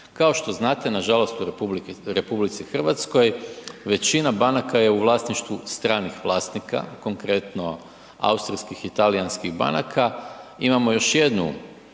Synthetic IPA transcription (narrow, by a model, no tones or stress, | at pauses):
kao̞ʃt̪o̞znaːt̪e̞naʒalo̞st̪uɾblɾe̞publit̪sixr̩ʋat̪sko̞jʋe̞t͡ʃinabanakaje̞uʋlˠaːst̪niʃt̪ʋust̪ɾaːnixʋlˠaːst̪nika̰ko̞ŋkɾe̞t̪no̞ | a̰ust̪ɾiskixit̪alianskiɣba̰nakʰaimamo̞jo̞ʃje̞d̪nṵ